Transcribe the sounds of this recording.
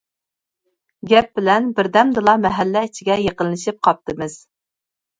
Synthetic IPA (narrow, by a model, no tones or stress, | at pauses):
ɡʲɛp̚bɪlɛnbɪɾd̪ɛmd̪ɨlˠɑmɛɦɛlːɛit͡ʃʰiɡʲɛjeqənlˠɨʃip̚qʰɑp̚t̪ɨmɨz̥